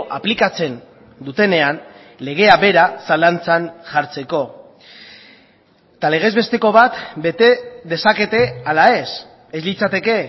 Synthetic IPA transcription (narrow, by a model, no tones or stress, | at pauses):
ʔaplikat͡se̞n | d̪ut̪e̞ne̞an | le̞ɣ̞e̞aβe̞ɾasalant͡sanʝaɾt͡se̞ko̞ | t̪ale̞ɣ̞e̞zβe̞st̪e̞ko̞βat̪be̞t̪e̞ðe̞sake̞t̪e̞alae̞s | e̞zlit͡sat̪e̞ke̞